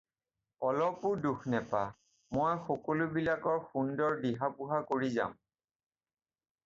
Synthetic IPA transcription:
ɔlɔpʊɹduxnɛpa | mojxɔkolʊbilakɔɹxundɔɹdiɦapuɦakoɹiza̰m

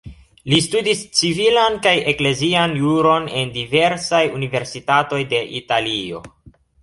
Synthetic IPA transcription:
listudist͡sivilankaje̞kle̞zianjuɾo̞ne̞ndive̞ɾsajunive̞ɾsitato̞jde̞ʔitalio̞̰

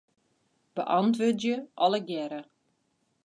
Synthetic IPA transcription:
b̥ə̰ʔɑntʋødjəʔɔləɡjɛɾə

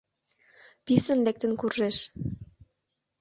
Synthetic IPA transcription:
pisə̆nlek̚t̪ə̆nkurʒeʃ

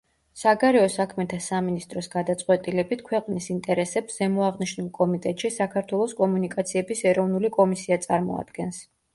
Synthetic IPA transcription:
saɡaɾɛɔsakʰmɛt̪ʰasaminist̪ʼɾɔsɡad̪at̪sʼqʼwɛt̪ʼilɛbit̪ʰkʰwɛqʼnisint̪ʼɛɾɛsɛpszɛmɔaʁniʃnulˠkʼɔmit̪ʼɛt̪ʼʃisakʰaɾt̪ʰwɛlˠɔskʼɔmunikʼat̪sʰiɛbisɛɾɔvnulikʼɔmisiat̪sʼaɾmɔ̰a̰d̪̥ɡɛns

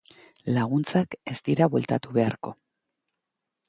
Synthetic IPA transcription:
laɣ̞unt͡sake̞st̪iɾaβwe̞lt̪at̪uβe̞aɾko̞

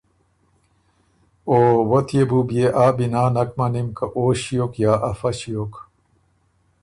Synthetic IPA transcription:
oːwot̪ʰjebubjeʔaːbinaːnɐkmɐnimkɐʔoːɕijokjaːʔɐfɐɕijok

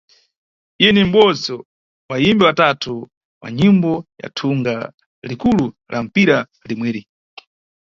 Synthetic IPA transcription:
ijɛnim̩ɓɔd͡zɔ | wajimbɛwatatʰu | wa̰ɲimbɔja̰tʰuŋɡa | likulu | lʔam̩piɾa | limwɛːɾi

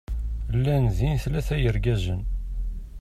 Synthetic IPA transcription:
lːænðinθlæθæjəɾɡæzən

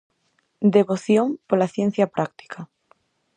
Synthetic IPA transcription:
d̪eβoθjoŋpolaθjen̟θjapɾʔak̚t̪i̥kʰa

